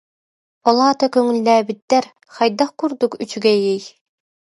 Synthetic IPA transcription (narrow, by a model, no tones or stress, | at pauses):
bɔlˠaːt̪akœŋylːæːbit̪ːɛɾ | χajd̪aχkuɾd̪ukyt͡ɕyɡɛjɛj